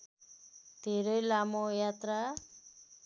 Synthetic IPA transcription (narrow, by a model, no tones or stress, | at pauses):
d̪ʱeɾʌjlamojat̪ɾa